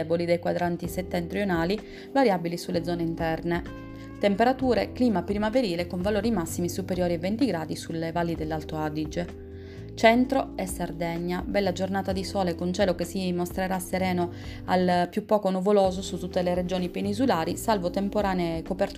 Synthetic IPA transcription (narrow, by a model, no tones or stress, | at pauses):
ɛbolid̪ejkwad̪ɾant̪iset̪ːɛnt̪ɾjonaːli | vaɾjabilisulːed̪zɔːneint̪ɛrne | t̪empeɾat̪uːɾekliːmapɾimaveɾiːlekoɱvaloːɾimasːimisupeɾjoːɾiavent̪iɡɾaːd̪isulevalːid̪elːalt̪oad̪id͡ʒe | t͡ʃɛnt̪ɾoesːard̪ɛɲːabɛlːad͡ʒornaːt̪ad̪isɔːlekont͡ʃɛːlokesːimost̪ɾeɾasːeɾɛːno | alpjupːɔːkonuvoloːzosut̪ːut̪ːeleɾed͡ʒoːnipenizulaːɾisalvot̪empoɾaːnekopɛrt̪